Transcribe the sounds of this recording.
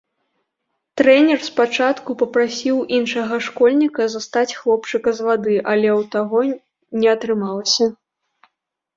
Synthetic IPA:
t̪ɾɛnʲɛrspat͡ʂat̪kupɐpɾasʲiwʔinʂɐɣɐʂkɔlʲnʲikɐzast̪at͡sʲxlˠɔpt͡ʂɨkɐzvad̪ɨʔɐlʲɛwt̪aɣɔ | nʲɛɐt̪ɾɨmalˠɐsʲɐ

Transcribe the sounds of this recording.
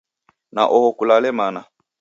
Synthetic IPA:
na̰ʔɔhɔkulalɛmana

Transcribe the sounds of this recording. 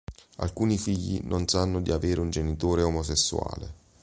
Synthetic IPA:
a̰lkuːnifiʎːḭnʔonsanːʊd̪iaveːɾeund͡ʒenit̪oːɾeomosesːua̰ːlḛ

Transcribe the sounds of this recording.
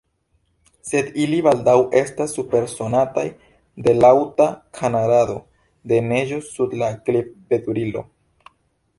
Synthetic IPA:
se̞diliβaldawe̞stasːupe̞ɾso̞nataj | de̞lawtakʰanaɾado̞ | de̞ne̞ʒo̞sudlaɡlibe̞duɾilo̰

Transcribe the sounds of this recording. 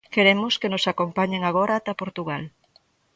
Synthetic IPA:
keɾemʊskenosakompaɲeŋaɣ̞oɾat̪apoɾt̪uɣ̞al

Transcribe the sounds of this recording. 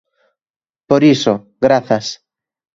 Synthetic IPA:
poɾiso | ɣɾaθɐs

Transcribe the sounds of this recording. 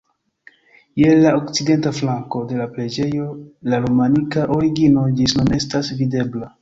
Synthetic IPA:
je̞laokt͡side̞ntaflaŋko̞de̞lapɾe̞d͡ʒe̞jo̞laɾomanikaʔoɾiɡino̞d͡ʒisnune̞stasvide̞bla

